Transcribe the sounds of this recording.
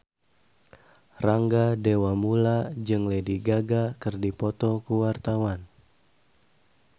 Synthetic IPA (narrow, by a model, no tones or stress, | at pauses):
raŋɡadewamulad͡ʒɨŋlediɡaɡakɨrdipɔt̪ɔkuwart̪awan